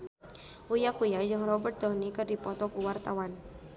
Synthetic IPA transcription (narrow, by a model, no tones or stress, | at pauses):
ujakujad͡ʒɨŋrɔbərt̪̚dɔnikɨrdipɔt̪ɔkuwart̪awan